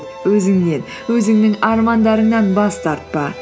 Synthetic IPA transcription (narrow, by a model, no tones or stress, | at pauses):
wɵzɪŋne̞n | wɵzɪŋnɪŋɑɾmɑnd̪ɑɾəɴnɑnbɑst̪ɑɾt̪̚pɑ